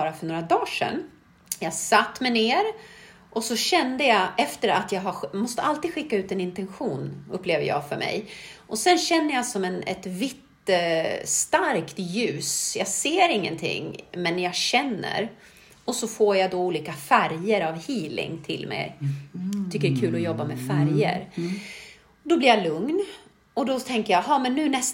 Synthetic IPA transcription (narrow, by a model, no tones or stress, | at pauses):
ɑːɾafœɳoːɾad̪ɑːʂɛ̰n | jɑsat̪ːmɛneːɾ | ʔɔsɔɕɛnd̪əjɑɛft̪əɾat̪jɑːɡɦamɔst̪əʔalt̪iːd̪ɧɪkːaʉ̟ːt̪ɛnɪnt̪ɛnɧuːnɵpːleːvəjɑ̰ːɡfœɾmɛ̰jʔɔsɛnɕɛnːəjɑsɔmɛnɛ̰t̪vɪt̪ː | st̪aɾkt̪jʉ̟ːsjɑːɡseːɾɪŋːənt̪ʰɪ̰ŋːmɛnːjɑɡɕɛnːə̰ɾ | ɔsɔfoːɾjad̪ɔuːliːkafæɾjəɾavhiːlɪ̰ŋt̪ʰɪlmɛ̰j | t̪ʰʏkːəɖɛkʰʉ̟ːlɔjɔbːamɛfæɾjə̰ɾ | d̪ɔblɪɾjalɵŋn | ɔd̪ɔt̪ʰɛŋkəjaɦɑːmɛnːʉ̟ːnɛs